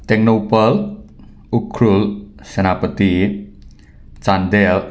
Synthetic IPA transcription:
t̪ɪŋnopəl | ukʰɾʊlsənapət̪i | t͡ʃand̪ɛl

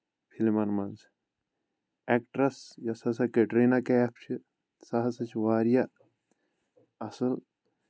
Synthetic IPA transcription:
pʰilmɐnmɐnz | ekʈɾɐsjɐsɐs̬ɐkeʈɾeːnakepʰt͡ʃʰi | sɐɦɐsɐt͡ʃʰiʋaːɾja | ɐsɨl

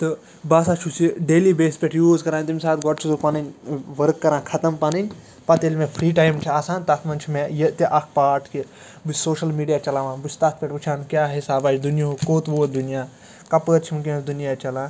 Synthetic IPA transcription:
t̪ɨ | baːsaːt͡ʃʰusiɖeːlibeːspʲeʈʰjuːzkɐɾãːnʲt̪̬imʲsaːt̪ɡɔʈ̚t͡ʃʰizopɐninʲʋɐɾkːɐɾãːkʰɐt̪ɐmpɐninʲ | pɐt̪eːlʲmẽpʰɾiːʈaːjmt͡ʃʰiaːsãːnt̪ɐt̪ʰmɐnt͡ʃʰimẽjət̪iʔɐkʰpaːɾʈʰki | bɨsoːʃɐlmiːɖijaːt͡ʃɐlaːʋãːnbusʰt̪at̪̚ʰpʲeʈɨt͡ʃʰaːnkjaːɦisaːbaːd͡ʒd̪unijɦokoːt̪boːd̪unijaː | kɐpəːt̪̚t͡ʃʰimik̬ʲẽsd̪unijaːt͡ʃɐlaː

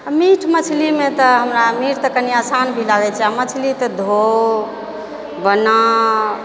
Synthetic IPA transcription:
miʈʰmət͡ʃʰlimet̪ɔɦəmɾamiʈt̪əkəniasanbʱilaɡɛt͡ʃʰɛamət͡ʃʰlit̪əd̪ʱo | bənə

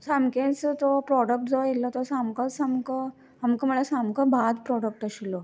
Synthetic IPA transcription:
samkẽt͡st̪ɔpɾɔɽək̚ʈd͡zɔjelɔt̪ɔsamkə̃samkə | amkəməɭasamkəbʱad̪pɾɔɽək̚ʈəɕilɔ

